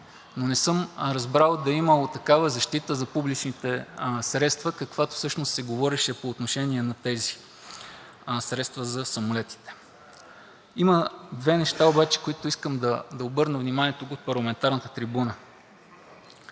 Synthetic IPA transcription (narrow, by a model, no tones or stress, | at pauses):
nonɛsɤmɾɐzbɾalˠd̪ɐiməlot̪ɐkavəzɐʃt̪it̪əzɐpublit͡ʃnit̪ɛsɾɛt̪st̪vəkɐkvat̪o̥fsɤʃnost̪sɛɡovɔɾɛʃɛpoːt̪noʃɛniɛnɐt̪ɛzi | sɾɛt̪st̪vəzɐsɐmolɛt̪i̥t̪ɛ̥ | iməd̪vɛnɛʃt̪aobat͡ʃɛ̥koit̪ʊiskəmd̪ɐd̪ɐobɤɾnəvnimaniɛt̪ʊɡot̪̚pɐɾlˠɐmɛnt̪aɾnət̪ə̥t̪ɾibunə